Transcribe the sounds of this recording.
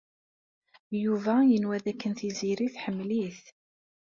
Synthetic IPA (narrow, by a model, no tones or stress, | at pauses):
juvæjənwæðækːənθiziɾiθħəmːliθ